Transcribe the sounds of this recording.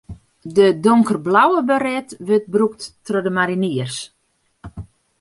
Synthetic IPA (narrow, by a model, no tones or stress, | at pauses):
dədoŋkərblawəbəɾɛtʋøt̚bruk̚tːrodəmaɾiniərs